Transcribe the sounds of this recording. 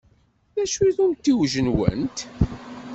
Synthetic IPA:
ðæʃwiðunt̪ːiwʒənwə̰nt̪

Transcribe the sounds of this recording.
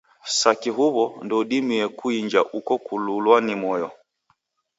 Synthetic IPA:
sakiɦuβɔndɔdimiɛkuiɲd͡ʒa̰ʔukɔkululwanimɔjɔ

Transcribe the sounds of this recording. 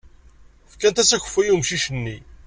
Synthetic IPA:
fkænt̪æsæçə̥fːæjumʃiʃənːi

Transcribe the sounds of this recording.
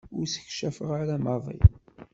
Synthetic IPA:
ʊɾsə̥çʃæfəʁaɾamɑðˤḭ

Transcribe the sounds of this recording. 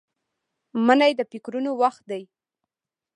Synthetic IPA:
mənajd̪əpɪkɾunowaxt̪̚d̪aj

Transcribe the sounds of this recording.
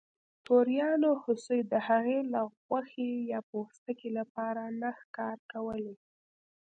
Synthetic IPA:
t̪oɾjɑnohʊsujd̪əhaɣelaɣwaxejɑpoxst̪əkelapɑɾanaxkɑɾkawəle

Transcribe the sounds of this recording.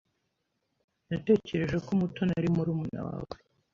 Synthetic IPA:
nate̞ːce̞ɾe̞ʒe̞komuto̞naɾimuɾuːmuna̰wa̰we

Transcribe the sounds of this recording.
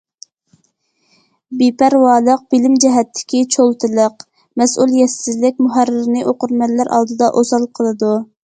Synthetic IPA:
bipæɾwɑːlˠəq̚b̥ɪlɪmd͡ʒɛɦɛt̪ʰːɪ̥kʲit͡ʃʰolˠt̪ʰɨlˠəq | mɛsʔulˠjɛsɪzlɪk̚ʲmuɦæɾːɪɾɪnɨʔoqʊɾmɛlːæɾʔɑ̰lˠd̪ɨd̪ɑʔozɑlˠqʰəlˠɨd̪u

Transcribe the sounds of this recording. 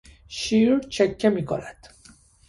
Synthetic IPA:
ʃiːɾt͡ʃʰekʰːemiːkʰonæd̪̥

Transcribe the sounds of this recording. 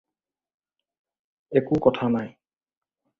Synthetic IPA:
ekukɔtʰanaj

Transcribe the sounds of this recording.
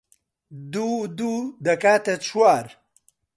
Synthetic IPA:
d̪ud̪ud̪ɐkaːt̪et͡sʰwaɾ

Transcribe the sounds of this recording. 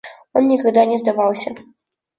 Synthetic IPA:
jɔnnʲikaɣd̪anʲɛzd̪avawsʲɐ

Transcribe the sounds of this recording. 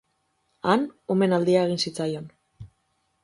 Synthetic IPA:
ano̞me̞nald̪iae̞ɣ̞insit͡sajo̞n

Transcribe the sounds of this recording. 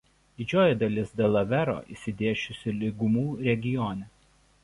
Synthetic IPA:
d̪ʲɪd͡ʒʲoːjɛd̪ɐlʲɪsd̪ʲelˠɐʋʲɛɾo̰ːʔḭːsʲɪd̪ʲeːʃʲʊsʲɪlʲɪɡʊmuːɾʲɛɡʲɪjɔnʲɛ

